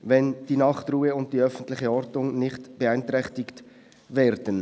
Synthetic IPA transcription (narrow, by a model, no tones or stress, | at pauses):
vɛnd̥iːnɑχtruːəʊnt̚d̥iœfən̩tlɪχəɔɾdʊŋnɪχtb̥əaɪntɾɛχtɪkt | vɛːɾdən